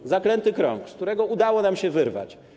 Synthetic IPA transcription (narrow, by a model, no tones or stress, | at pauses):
zaklɛnt̪ɘkɾɔ̰̃ŋkskt̪uɾɛɡɔud̪awɔnamɕɛvɘɾva̰t͡ɕ